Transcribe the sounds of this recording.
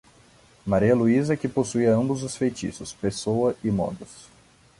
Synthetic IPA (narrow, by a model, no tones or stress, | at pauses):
maɾiɐluizɐkɪposuiɐɐ̃mbʊzʊsfejt͡ʃḭsʊspesowɐʔɪmɔ̰d̪ʊs